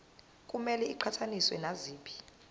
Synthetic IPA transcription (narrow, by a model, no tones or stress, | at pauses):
kʼumɛlɛiǃʰatʰaniswɛnaziːɓʰi̥